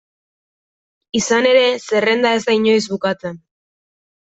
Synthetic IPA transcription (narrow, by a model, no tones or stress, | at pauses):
isane̞ɾe̞se̞re̞nd̪ae̞zd̪aiɲo̞jzβukat͡se̞n